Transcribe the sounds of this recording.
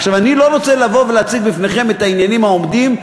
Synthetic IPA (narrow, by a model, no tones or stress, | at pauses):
χʃavanilo̞ʁo̞t͡selavo̞veleat͡siɡbifne̞χe̞me̞t̪ainjanimaomd̪im